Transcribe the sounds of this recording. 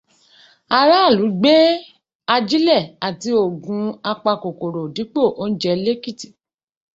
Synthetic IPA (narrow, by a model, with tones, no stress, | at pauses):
a˧ɾa˦a˦˨lu˨˦ɡ͡be˦ | a˧d͡ʒi˦lɛ˦˨a˨ti˧o˨ɡũ˧a˧k͡pa˧ko˨ko˨ɾo˨di˨˦k͡po˦˨ʔo˦n̩˦d͡ʒɛ˧le˦ki˦˨ti̥˨